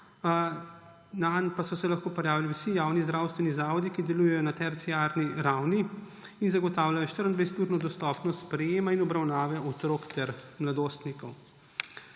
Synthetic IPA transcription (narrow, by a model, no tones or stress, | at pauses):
nanpasɔsɛlaxkoːpɔɾjaːʋiliwsijaːwnizd̪ɾaːwst̪ʋɛnizaːʋɔd̪ikid̪ɛluːjɛjɔnat̪ɛɾt̪sijaːɾniɾawni | inzaɡɔt̪aːwlajɔʃt̪əɾənd̪ʋɛjst̪uːɾnɔd̪ɔst̪ɔpnɔsspɾɛjeːmainɔbɾawnaːʋɛʔɔt̪ɾoːkt̪ɛɾmlad̪oːst̪nikɔw